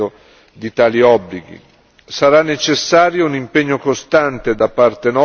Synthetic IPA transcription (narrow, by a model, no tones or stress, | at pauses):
o | d̪it̪aːliɔbliɡḭ | saɾanːet͡ʃesːaːɾjounimpeɲːokost̪ant̪ed̪apːart̪enɔ